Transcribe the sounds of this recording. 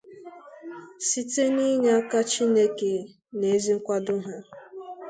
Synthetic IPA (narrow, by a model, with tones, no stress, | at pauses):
si˦te˦ni˦ɲe˨a˦ka˦t͡ʃi˦ne˦ke˨ | ne˨˦zi˦ŋ̩˦kʷa˦dʊ˦ɦa˦